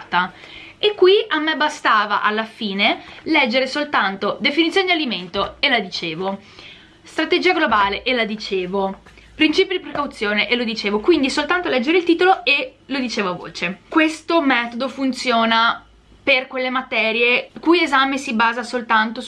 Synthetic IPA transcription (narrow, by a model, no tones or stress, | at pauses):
t̪aekːwiʔamːebast̪aːva̰ʔalːafiːnelɛd͡ʒːeɾesolt̪ant̪od̪efinit̪sjoːned̪ialiment̪oelad̪it͡ʃeːvo | st̪ɾat̪ed͡ʒiːaɡlobaːleʔelːad̪it͡ʃeːvo | pɾint͡ʃiːpjod̪ipɾekawt̪sːjoːneʔelod̪it͡ʃeːvokwind̪isolt̪ant̪olɛd͡ʒːeɾeilt̪iːt̪oloelod̪it͡ʃeːvoavo̰ːt͡ʃekwest̪omɛːt̪od̪ofunt̪sjoːna | perkwelːemat̪ɛːɾjekujezaːmesibaːzasolt̪ant̪o